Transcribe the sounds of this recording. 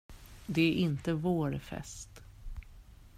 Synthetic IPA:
d̪ɛæɾʔɪnt̪əvoːɾfɛ̰st̪

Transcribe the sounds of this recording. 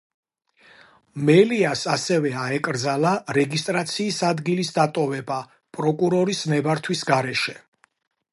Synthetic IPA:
mɛliasasɛvɛaɛkʼɾd̪zalaɾɛɡist̪ʼɾat̪sʰiːsad̪ɡilisd̪at̪ʼɔvɛba | pʼɾɔkʼuɾɔɾismɛbaɾt̪ʰwisɡaɾɛʃɛ

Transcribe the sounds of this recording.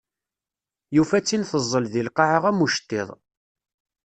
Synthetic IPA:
jufæt͡sːinθəzˤːəlðilqɑʕəʁæmuʃt̪ːɪðˤ

